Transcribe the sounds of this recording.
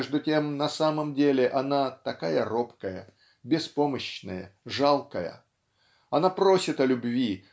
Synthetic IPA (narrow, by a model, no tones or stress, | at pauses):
ʐd̪ʊtʲe̞mnɐsaməmdʲelʲɪʔɐnat̪ɐkajəropkəjə | bʲɪspo̞məɕnə̰jə̰ʐalˠkəjə̰ | ɐnapɾo̞sʲɪt̪ɐlʲʊbvʲi